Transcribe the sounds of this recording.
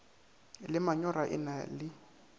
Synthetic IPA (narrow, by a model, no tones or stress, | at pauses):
lɪmaɲɔɾaʔɪ̰nalɪ